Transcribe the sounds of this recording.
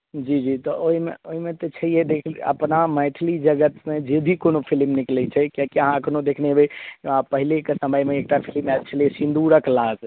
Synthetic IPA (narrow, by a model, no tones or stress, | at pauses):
d͡ʒid͡ʒit̪ɔʔoɦimḛoɦimet̪ɔt͡ʃʰəijɛd̪ekʰlə̰pnamɛ̃ʈʰlid͡ʒəɡət̪med͡ʒed̪ʱikonopʰilmniklɛt͡ʃʰɛkjãkiəɦãəkʰnod̪ekʰnebeãpəɦilekesəməjmeːk̚ʈapʰilmɛbt͡ʃʰəliɛsĩnd̪uɾəklad͡ʒ